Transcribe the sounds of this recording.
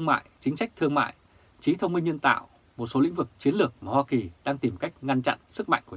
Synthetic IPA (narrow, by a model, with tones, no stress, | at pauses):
ŋma̰ː˧˨jt͡ɕï˨˦ŋ̟sa˦˥jk̚t̪ʰɨ˧əŋma̰ː˧˨j | t͡ɕi˨˦t̪ʰə˧wŋ͡mmï˧ŋ̟ɲə˧nt̪a̰ː˧˨w | mo˨˩t̚so˨˦l̰ï˧˥ŋ̟vɨ˨˩k̚t͡ɕi˨˦ənlɨ˨˩ək̚maː˨˩hwaː˧ki˨˩ɗaː˧ŋt̪i˨˩mka˦˥jk̟̚ŋa˧nt͡ɕa̰˧˨nsɨ˦˥k̚ma̰˧˨jŋku˧˩